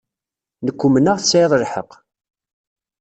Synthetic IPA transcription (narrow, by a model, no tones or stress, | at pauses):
nəkʷːumənəʁθəsajðˤəɾħə̰q